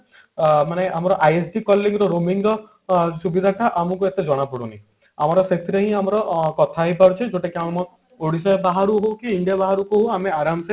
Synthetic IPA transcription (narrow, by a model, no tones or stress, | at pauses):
maneʔamɔɾɔʔajesɖikɔlːiŋɾɔɾomiŋɾɔ | subid̪ʱaʈaʔamɔkuet̪ed͡ʒɔɽ̃apuɽunḭ | a̰mɔɾɔset̪ʰiɾeɦĩamɔɾɔkɔt̪ʰaɦipaɾut͡ʃʰid͡ʒoʈekawɽ̃mɔ | oɽisɔjbaɦaɾuɦokiːɳɖijabaɦaɾukuɦoameaɾamse